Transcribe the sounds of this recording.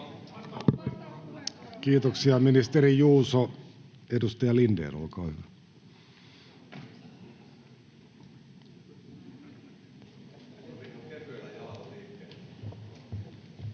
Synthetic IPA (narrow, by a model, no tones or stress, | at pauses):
kiːt̪oksiɑminist̪eɾijuːso | edust̪ɑjɑlindḛrṵlkɑhyʋæ